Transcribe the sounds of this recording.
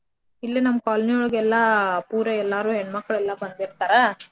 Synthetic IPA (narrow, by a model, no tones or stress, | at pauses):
ilːinɐmːɐkaːlnijoɭɡɛlːɐpuːɾeɛlːaːɾuːɦeɳmɐkːɐɭɛlːɐbɐnd̪b̪iɾt̪aːɾe